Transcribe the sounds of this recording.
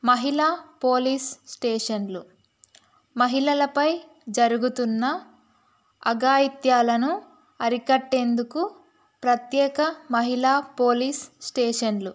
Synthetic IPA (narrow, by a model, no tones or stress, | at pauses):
mɐɦilaːpoːlissʈeːʂɐnlu | mɐɦilɐlɐpɐj | d͡ʒɐɾuɡut̪unːɐ | ɐɡaːjit̪jaːlɐnu | ɐɾikɐʈːeːnd̪uku | pɾɐt̪jɛːkɐmɐɦilaːpo̞ːlissʈeːʂɐnlu